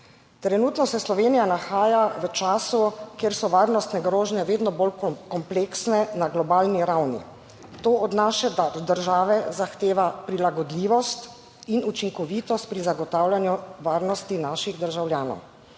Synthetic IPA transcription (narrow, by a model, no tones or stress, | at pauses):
t̪ɾɛnuːt̪nɔsɛslɔʋeːnijanaxaːjaʋət͡ʃaːsukeːɾsɔʋaːɾnɔst̪nɛɡɾoːʒnɛʋeːd̪nɔbolkɔmpleksnɛnaɡlɔbaːlniɾawnḭ | t̪oːʔɔd̪naʃɛd̪ad̪əɾʒaːʋɛzaxt̪eːʋapɾilaɡɔd̪liːʋɔst̪ | inut͡ʃiŋkɔʋiːt̪ɔst̪̚pɾizaɡɔt̪aːwlʲjanjuʋaːɾnɔst̪inaːʃiɣd̪əɾʒawljaːnɔ̰w